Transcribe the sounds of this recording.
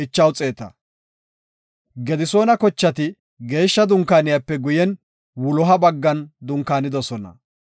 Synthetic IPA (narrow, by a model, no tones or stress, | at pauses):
ɪt͡ʃːɐwt͡sʼe̞ːt̪ɐ | ɡɛd̪ɪso̞ːnɐkɔt͡ʃːɐt̪ɪ | ɡe̞ːʃːɐd̪ʊŋkaːnɪjɐpːɛɡʊjɛn | wʊlɔɦɐbɐɡːɐnd̪ʊŋkaːnɪd̪ɔsɔnɐ̰